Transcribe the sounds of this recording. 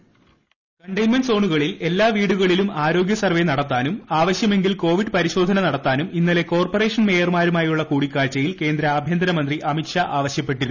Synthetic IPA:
kɐɳɖɐjnmɐnso̞ːɳuɣɐɭile̞lːaːʋiːɽuɣɐɭilumaːɾo̞ːɡjɐsɐrʋe̞nɐɽɐt̪ːaːnumaːʋɐɕjɐme̞ŋɡilko̞ːʋiɖpɐɾiɕo̞ːd̪ʱɐnɐnɐɽɐt̪ːaːnuminːɐle̞ko̞ːrpɐre̞ːʂɐnme̞ːjɐrmaːɾumaːjuɭːɐkuːɽikːaːlt͡ɕːɐjilke̞ːnd̪ɾɐaːbʱjɐnd̪ɐnɐmɐnd̪riʔɐmiʈʂaʔaːʋɐɕjɐpːe̞ʈːiɾuu

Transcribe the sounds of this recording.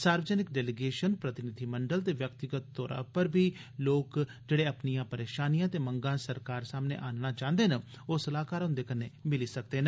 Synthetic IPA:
saːɾʋəd͡ʒənɪkɖɛːlɪɡeːʃənpɾət̪ɪnɪd̪ʱiːməɳɖəlt̪eːʋjək̚t̪ɪɡət̪ːɔːɾã̰ːpəɾbʱiː | loːk | d͡ʒeːɽeːəpnijãːpəɾeːʃaːnijãːt̪eːməŋɡãːsəɾkaːɾsaːmnḛːʔaːnnaːt͡ʃãːnd̪eːnə | oːsəlaːkaːɾoʊ̃nd̪eːkənːeːmɪliːsək̚d̪eːnː

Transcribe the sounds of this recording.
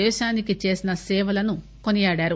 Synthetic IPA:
ɛːʃaːnikit͡ʃe̞ːsinɐsɛːʋɐlɐnu | konijaːɽaːɾu

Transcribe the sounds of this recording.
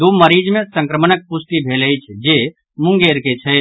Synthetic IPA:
d̪oməɾiːd͡ʒmẽsə̃ŋkɾəmənək̚pʊst̪ibʱeːlət͡ʃʰd͡ʒe | mʊ̃ŋɡeːɾket͡ʃʰɛ

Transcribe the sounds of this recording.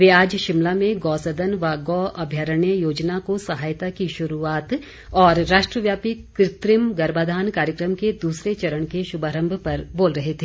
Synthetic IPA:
ʋeːaːd͡ʒʃɪmlamẽɡɔːsɐd̪ənʋaɡɔːɐbʱjaɾəɳjəjoːd͡ʒnakosɐɦaːjt̪akiʃʊɾuaːt̪ | ɔːɾːaːʃʈɾəʋjaːpikɾɪt̪ɾɪmɡɐɾbaːd̪ʱaːnkaːɾjəkɾəmked̪uːsɾet͡ʃɐɾəɽ̃keʃʊbaːɾə̃mbʱpɐɾboːlɾɐɦet̪ʰeː

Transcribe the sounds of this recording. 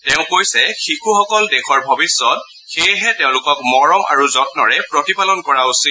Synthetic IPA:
tɛʊ̃kojsɛxikʰuxɔkɔldɛxʰɔɹbʱɔbisːɔt̚ | xejɦɛtɛʊ̃lʊkɔk̚mɔɹɔmʔa̰ɹuzɔtnɔɹɛpɹotipalɔnkɔɹausi

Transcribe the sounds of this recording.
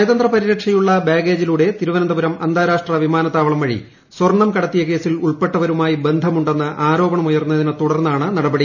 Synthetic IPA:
ɐjðɐnd̪rɐpɐɾiɾɐkʂɐjuɭːɐbaːɡe̞ːd͡ʑiluːɽe̞t̪iɾuʋɐnɐnd̪ɐbɐɾɐmɐnd̪ʱaːɾaːʂʈrɐʋimaːnɐt̪ːaːʋɐɭɐmʋɐɻḭ | swɐrɳːɐmkɐɽɐt̪ːijɐke̞ːsiluɭpe̞ʈːɐʋɐɾumaːjibe̞nd̪ʱɐmuɳɖe̞nːɨʔaːɾo̞ːbɐɳɐmujɐrnːɐðinɨt̪uɽɐrnːaːɳɨnɐɽɐbɐɽi

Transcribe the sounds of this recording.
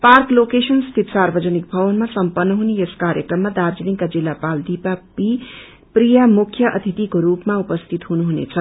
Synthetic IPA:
parklokesʌnst̪ʰit̪sarbʌd͡zʌnik̚bʱʌβʌnmasʌmpʌnːʌɦuneeskaɾjʌkrʌmːad̪aɾd͡ziniŋkad͡zilːapald̪ipapi | prijamukʰjʌʔʌ̰t̪ʰit̪ikoɾupmaupʌst̪ʰit̪ɦunuɦunḛt͡sʰʌ

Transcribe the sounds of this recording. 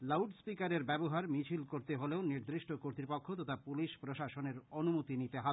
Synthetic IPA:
lawɖspikaɾeɾbɛboɦaɾmit͡ɕʰilkoɾt̪eɦoleoniɾd̪ɾiʃʈokoɾt̪ɾipokʰːot̪ot̪ʰapuliʃpɾoʃaʃoneɾonumut̪init̪eɦa

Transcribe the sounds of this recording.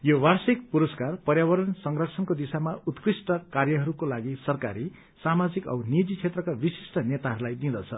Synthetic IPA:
jowarsik̚puɾʌskarpʌrjawʌɾʌnsʌŋrʌkt͡sʰʌnkod̪isamaut̪krisʈʌkarjʌɦʌɾukolaɡisʌrkaɾi | samad͡zikʌ̰bnid͡zit͡sʰet̪rʌkabisi̥sʈʌnet̪aɦʌɾulajd̪ĩd̪ʌt͡sʰʌ

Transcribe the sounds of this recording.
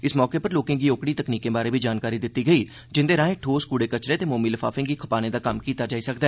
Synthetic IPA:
ɪsmɔːkepəɾloːkẽːkioːkɽiːt̪əkniːkẽbaːɾebʱiːd͡ʒaːnkaːɾid̪ɪt̪ːiɡəiː | d͡ʒɪ̃nd̪eːɾãːẽʈʰoːskuːɽeːkət͡ʃɾẽt̪eːmoːmiːləfʰa̰ːfɪ̃ːkikʰɐpaːnẽd̪aːkɐmkiːt̪ad͡ʒaːisəkd̪ɛː

